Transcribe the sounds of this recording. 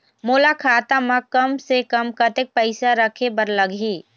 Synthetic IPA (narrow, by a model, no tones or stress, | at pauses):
moːlakʰaːt̪amãkɐmsekəmkət̪ɪk̚pəɪsaɾəkʰebəɾləɡʱiː